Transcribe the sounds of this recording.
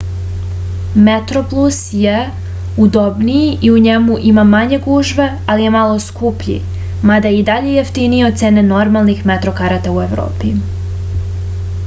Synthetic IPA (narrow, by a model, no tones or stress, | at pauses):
met̪ɾoplˠusje | ud̪obnijiʔiuɲemuʔimamaɲe̞ɡuʒʋe̞ | alije̞malˠo̞skupʎḭ | mad̪ajid̪aʎe̞jeft̪inijeod̪̚t̪se̞ːneno̞ɾmalˠnixmet̪ɾokaɾat̪aue̞ʋɾo̰ːpi